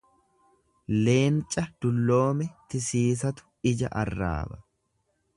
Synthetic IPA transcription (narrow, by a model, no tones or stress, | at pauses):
le̞ːnt͡ʃʼːɐd̪̥ʊlːo̞ːmɛt̪ɪsiːs̬ɐt̪ʊ̥ɪd͡ʒɐ̰ʔɐrːa̰ːbɐ̥